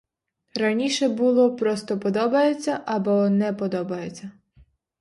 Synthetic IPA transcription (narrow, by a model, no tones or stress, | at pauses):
ɾɐnʲiʃɛbulˠɔpɾɔst̪ɔpɔd̪ɔbɐjet͡sʲːɐʔɐbɔnɛpɔd̪ɔbɐjet͡sʲːɐ